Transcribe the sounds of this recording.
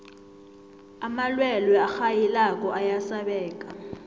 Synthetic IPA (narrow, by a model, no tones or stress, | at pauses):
amalwɛlwɛaxajilak̬ʼɔʔajasaɓɛːk̬ʼa